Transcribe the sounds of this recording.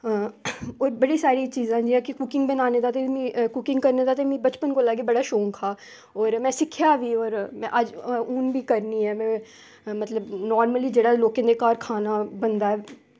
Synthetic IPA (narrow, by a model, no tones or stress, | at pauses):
oːɾbəɽisaːɾit͡ʃiːzãːd͡ʒiãkikʊkɪ̃ŋɡbənaːned̪aːt̪emĩkʊkɪ̃ŋɡkɐɾned̪aːt̪̬emĩːbɐt͡ʃpənkolaːkebɐɽaːʃoːŋkʰaː | ɔːɾmɛ̃ːsɪkʰjaːʋiɔːɾmɛ̃ʔəd͡ʒʊnbʱikəɾniɛːmɛ̃ː | mɐt̪ləbnɔːɾməlid͡ʒeːɽaloːkẽnd̪ekaːɾkʰaːnabənd̪aːɛː